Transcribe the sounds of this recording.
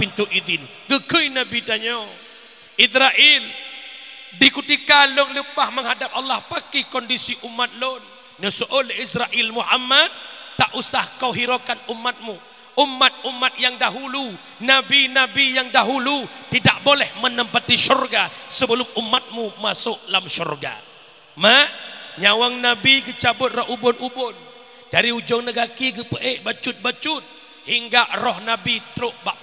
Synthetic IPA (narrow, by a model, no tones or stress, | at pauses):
pint̪uʔid̪ɪn | ɡəkəjnabit̪aɲo | ʔisɾaʔil | dikut̪ikalʊŋlupahməŋhadap̚alːahpakikɔndisiʔumːat̪̚lon | nəsuʔoleisɾaʔilmuhamat̪̚t̪ːaʔusahkawɦiɾokanumːat̪̚mu | umːat̪̚umːat̪̚jaŋdaɦulu | nabinabijaŋdaɦulut̪idaʔbolɛhmənəmpat̪isurɡasəbəlʊmumːat̪̚mumasʊʔlamsurɡa̰ | maʔɲawaŋnabiɡət͡ʃabʊt̪̚rɔhubʊnʔubʊn | d̥aɾiud͡ʒɔŋnəɡakiɡəpəʔeʔbat͡ʃʊt̪̚bat͡ʃʊt̪̚ | hiŋɡaʔrɔhnabit̪ɾʊʔbaʔ